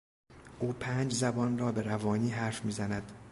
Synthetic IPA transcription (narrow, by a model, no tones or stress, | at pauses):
ʔuːpʰæːnd͡ʒzæbɒːnrɒːbe̞ɾævɒːniːɦæɾfmiːzænæd̪̥